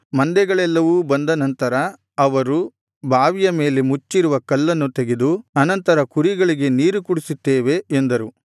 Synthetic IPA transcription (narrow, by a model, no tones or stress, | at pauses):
mɐnd̪ɛɡɐɭɛlːɐʋubɐnd̪ɐnɐnt̪ɐɾɐ | ɐʋɐɾu | bʱaːʋijɐme̞ːle̞mut͡ʃːiɾuʋɐkɐlːɐnːut̪eɡe̞d̪uɐnɐnt̪ɐɾɐkuɾiɡɐɭiɡe̞niːɾukuɽisit̪ːeːʋe̞ːnd̪ɐɾu